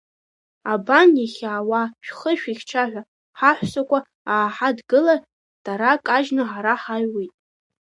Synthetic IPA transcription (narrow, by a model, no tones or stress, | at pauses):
abanjaχʲaːwaʃᶣχəʃᶣiχʲʈ͡ʂʰaħᶣʷa | ħaħʷsakʷʼa | aːħadɡɨlar | d̥aɾakʼaʒnɨħaɾaħajwijtʼ